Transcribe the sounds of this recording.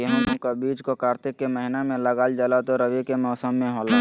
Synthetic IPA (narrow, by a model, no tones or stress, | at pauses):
ɦkabiːd͡ʒkokaːɾt̪ɪkːeməɦɪnamẽləɡaːld͡ʒalat̪oɾəʋikemɔːsəmːẽɦola